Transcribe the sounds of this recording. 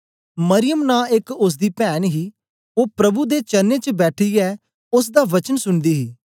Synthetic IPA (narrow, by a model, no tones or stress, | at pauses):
məɾɪjəmnãːɪkʊs̬d̪iːpɛːnɦiː | oːpɾəbuːd̪eːt͡ʃənːeːt͡ʃəbɛːʈʰiːɛː | ʊs̬d̪aːʋət͡ʃənsʊɳd̪iːɦiː